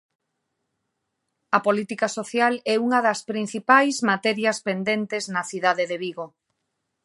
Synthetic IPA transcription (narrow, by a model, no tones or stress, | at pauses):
ɐpolit̪ikasoθjalɛuŋɐðɐspɾin̟θipajzmat̪ɛɾjɐspend̪ent̪eznɐθiðaðeðeβiɣo